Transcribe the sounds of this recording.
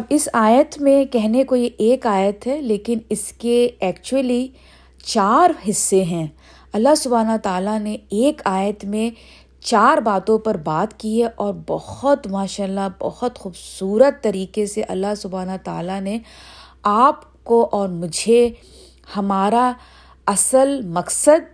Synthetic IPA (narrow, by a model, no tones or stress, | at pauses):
bɪsaːjət̪mẽkɛɦnekojeʔeːkaːjət̪ɦɛleːkɪnɪskeɛːkt͡ʃuwəli | t͡ʃaːɾɦɪsːeɦɛ̃ː | ɐlːasʊbaːnot̪aːlaneeːkaːjət̪mẽ | t͡ʃaːɾbaːt̪õpɐɾbaːt̪kiɦɛʔɔːɾbɔhɔt̪maːʃaːlːabɔ̰hɔt̪xuːbsuːɾət̪ːɐɾiːkeseʔɐ̰lːasʊbaːnot̪a̰ːlane | aːp | koʔɔːɾmʊd͡ʒʱe | hɐmaːɾa | ɐsəlmɐksəd̪̚